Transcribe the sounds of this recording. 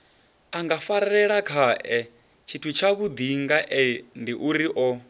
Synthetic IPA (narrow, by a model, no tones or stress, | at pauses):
aŋɡafaɾaɛɺakʰaʔɛ | t͡ʃʰitʰut͡ʃʰaβud̪iŋɡaʔɛndiʔuɾiʔɔ